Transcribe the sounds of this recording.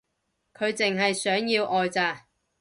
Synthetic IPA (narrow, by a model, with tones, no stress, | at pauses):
kʰɵ˨˧ɥt͡sɪ˨ŋɦɐ˨jsœː˨˥ŋjiː˧wʔɔː˨jt͡saː˨˧